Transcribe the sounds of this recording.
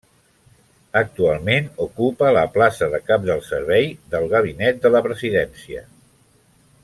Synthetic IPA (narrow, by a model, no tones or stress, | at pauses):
ək̚t̪ualˠmenukupələ̰plasəðəkap̚d̪əlˠsəɾβ̞ɛjðəlˠɣəβ̞inɛt̪̚d̪ələpɾəziðɛnsiə̰